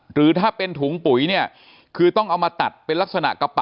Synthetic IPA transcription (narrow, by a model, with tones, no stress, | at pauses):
ɾɯː˩˦t̪ʰaː˥˩pe˧nt̪ʰuː˩˦ŋpu˩˦jni˥˩ɐ | kʰɯː˧t̪ɔ˥˩ŋʔa˧wmaː˧t̪a˨˩t̪̚pe˧nla˦˥k̚sa˧na̰˨˩ʔka˧pa˨